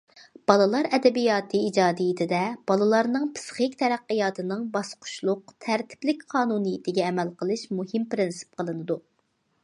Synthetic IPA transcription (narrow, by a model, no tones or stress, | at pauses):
b̥ɑlˠɨlˠɑɾɛd̪ɛbijɑːt̪ʰɨid͡ʒɑːd̪ɨjit̪ʰɪd̪ɛb̥ɑlˠɨlˠɑɾnɨŋpʰɨ̥sχɨkʲt̪ʰɛɾæqːəjɑːt̪ʰɨnɨŋbɑsqʰʊ̥ʃlˠʊq̚t̪ʰæɾt̪ʰɪ̥plɪkʲqʰɑːnunɨjit̪ʰɪɡʲɛːmɛlqəlˠɨʃmuhɪmpɾɪnsɨ̥p̚qəlˠɨnɨd̪u